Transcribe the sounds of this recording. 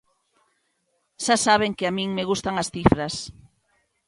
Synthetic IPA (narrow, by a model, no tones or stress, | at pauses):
ʃasaβ̞eŋkɪamĩŋmeɣust̪aŋasθifɾɐs